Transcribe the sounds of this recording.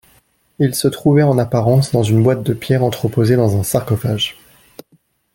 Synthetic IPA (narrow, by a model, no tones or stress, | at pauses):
ilsət̪χuvɛɑ̃napaʁɑ̃sd̪ɑ̃zynbwat̪̚d̪əpjɛʁɑ̃t̪χəpozed̪ɑ̃zɛ̃saʁkɔfaʒ